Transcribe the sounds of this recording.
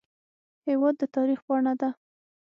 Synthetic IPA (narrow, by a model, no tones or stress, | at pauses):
hewɑd̪ːət̪ɑɾixpɑɳad̪a